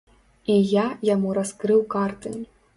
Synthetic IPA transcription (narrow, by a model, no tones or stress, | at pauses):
ijajamuɾaskrɨwkart̪ʼɨ̰